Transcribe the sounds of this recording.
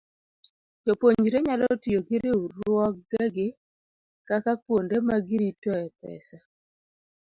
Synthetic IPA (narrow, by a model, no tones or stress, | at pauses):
d͡ʒopoɲd͡ʒiɾeɲalɔtijoɡɪɾeuɾʊɔk̚ɡɛɡɪ | kakakwondemaɡɪɾitɔɛpɛ̰sa